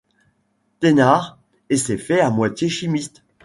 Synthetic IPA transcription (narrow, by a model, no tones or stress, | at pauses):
t̪enaʁ | esɛfɛamwat̪jeʃimist̪